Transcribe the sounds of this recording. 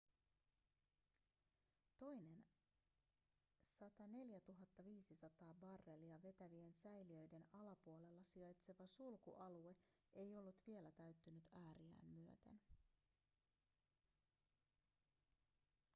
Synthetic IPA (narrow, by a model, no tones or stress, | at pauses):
t̪o̞jne̞n | sɑt̪ɑne̞ljæt̪uɦɑt̪ːɑʋiːsisɑt̪ɑːbɑrːe̞liɑʋe̞t̪æʋie̞nsæjliø̞jde̞nɑlɑpuo̞le̞lːɑsiɑjt̪se̞ʋɑsulkuʔɑlue̞e̞jo̞lːut̪ʋie̞læt̪æɥt̪ːynyt̪æːɾiæ̰ːnmyø̞t̪ḛn